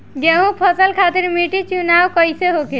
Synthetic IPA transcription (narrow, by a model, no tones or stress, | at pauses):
ɡeɦũpʰəsəlkʰat̪iɾmiʈit͡ʃunawkəjseɦoke